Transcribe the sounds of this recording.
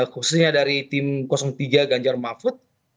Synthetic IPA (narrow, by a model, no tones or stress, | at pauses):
kususɲadaɾit̪ɪmkɔsɔŋt̪iɡaɡaɲd͡ʒarmafʊt̪̚